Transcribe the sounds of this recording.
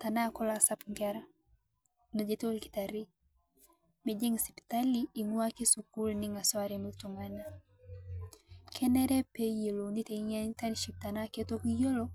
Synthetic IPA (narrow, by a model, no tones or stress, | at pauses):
tanakɔlasapŋɡaɾa | nod͡ʒetolki̥taɾi | med͡ʒeŋsi̥pi̥taliːŋwakesukulniŋaswaɾimultuŋana | kʰɛnɛɾɛpejeloniteiɲantaniʃik̚tanaketokijolo